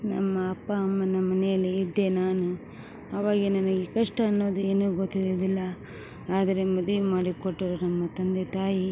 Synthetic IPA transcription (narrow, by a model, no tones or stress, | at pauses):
nɐmːɐːpːɐːmːɐnːɐmɐnɛjɐlːiːd̪ːe̞naːnu | ɐʋaːɡenɐnɐɡekɐʂʈɐːnːoːd̪ue̞ːnuːɡot̪ːiod̪ilːɐ | aːd̪ɐɾemɐd̪ʋimaːɽikoʈːiɾɐnɐmːɐt̪ɐnd̪et̪aːji